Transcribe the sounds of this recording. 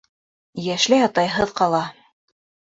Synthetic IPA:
jæʃlɘjɑt̪ɑjɦɤðqɑlˠɑ

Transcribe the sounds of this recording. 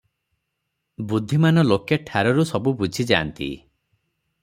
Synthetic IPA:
bud̪ʱːimanɔlokeʈʰaɾɔɾusɔbubud͡ʒʱid͡ʒaːnt̪ḭ

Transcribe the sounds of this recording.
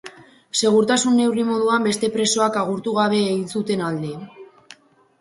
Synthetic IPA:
se̞ɣ̞uɾt̪asunːe̞wrimo̞ðuambe̞st̪e̞pɾe̞so̞akaɣ̞uɾt̪uɣ̞aβ̞e̞ːɣinsut̪e̞nald̪e̞

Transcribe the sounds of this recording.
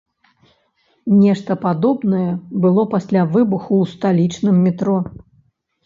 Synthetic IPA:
nʲɛʂt̪ɐpad̪ɔbnɐjɛbɨlˠɔpasʲlʲavɨbuxuːst̪alʲit͡ʂnɨmːʲɛt̪ɾɔ

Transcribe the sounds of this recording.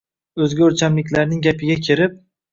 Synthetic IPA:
ɵzɡʲɵɾt͡ʃʰamlɪkʲlaɾnɪŋɡʲapʰɪɡʲakʲʰɪɾɪp̚

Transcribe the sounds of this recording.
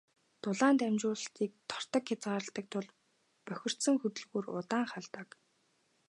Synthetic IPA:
t̪ʊɮaːnt̪æmt͡ɕʊːɮə̆ɬt̪iːk̚t̪ʰɔ̥r̥t̪ə̆kxʲat͡sɢaːɾə̆ɬt̪ə̆k̚t̪ʰʊɮ | pœxʲɪ̆r̥t̪sə̆ŋxɵt̪ɵ̆ɮɣuːrʊ̰t̪aːŋχaɮt̪ək

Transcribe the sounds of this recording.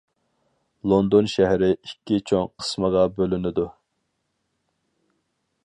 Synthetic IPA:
lˠond̪onʃɛɦɾɪikʲːit͡ʃʰoŋqʰə̥sməʁɑbølynɪd̪u

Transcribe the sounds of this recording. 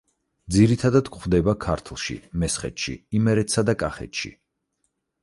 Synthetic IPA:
d̪ziɾit̪ʰad̪ad̪kχvd̪ɛbakʰaɾt̪ʰlˠʃḭmɛsχɛ̰t̪ʃḭimɛɾɛt̪sad̪akʼaχɛ̰t̪ʃḭ

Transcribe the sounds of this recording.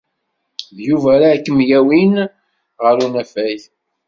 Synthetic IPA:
ðjuvæɾakːəmjæwin | ʁəɾunæfæjjθ

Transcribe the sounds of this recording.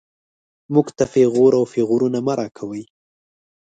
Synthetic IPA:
muɡt̪afɪɣuɾawfɪɣuɾunamaɾʔɑkʰawəj

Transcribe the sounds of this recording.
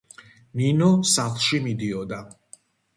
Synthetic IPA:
ninɔsaχlˠʃimid̪iɔd̪a

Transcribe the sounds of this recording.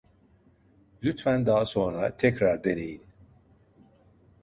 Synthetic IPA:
lʲyt̪fænd̪aːso̞nɾat̪ʰɛcɾaɾd̪ele̞jin

